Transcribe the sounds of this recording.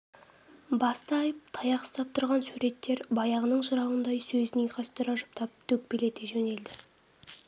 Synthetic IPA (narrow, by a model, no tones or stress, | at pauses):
bɑst̪əɑjəp̚t̪ʰɑjɑqst̪ɑp̚t̪ʰʊɾʁɑnsuɾe̞t̪ːe̞ɾbɑjɑʁənəɴʒəɾɑwənd̪ɑjsɵzɪnejqʰɑst̪ʏɾɑʒʊ̥pt̪ʰɑp̚t̪ʰɵk̚pele̞t̪e̞ʒɵne̞ld̪ɪ